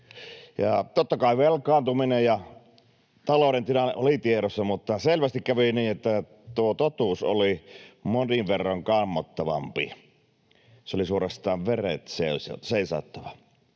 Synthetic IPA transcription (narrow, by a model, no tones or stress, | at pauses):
jɑ̰t̪ot̪ːɑkɑˑiʋʋelkˑɑːnt̪uminejjɑ | t̪ɑloˑɾent̪inɑnḛʔʔolit̪ieɾosːɑmut̪ːɑselʋæst̪ikkæʋiniːʔʔet̪ːæ | t̪uot̪ot̪uːso̰limoniʋʋerːɑŋkɑmːot̪ːɑʋɑ̰mpi | seolisuorɑst̪ˑɑːʋʋerḛt̪seˑøsseˑisɑ̰ˑt̪ːɑʋɑ